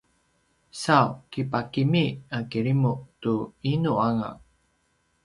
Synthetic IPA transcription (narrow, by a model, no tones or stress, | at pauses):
sawkipakimiakiɾimuʔtuinuaŋa̰